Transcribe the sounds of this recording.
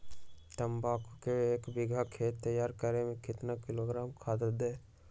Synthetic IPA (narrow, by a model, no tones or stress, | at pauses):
t̪əmbaːkukeeːkbɪɡʱakʰeːt̪ːəjaːɾkəɾemẽkɪt̪nakɪloɡɾaːmkʰaːt̪əɾd̪eː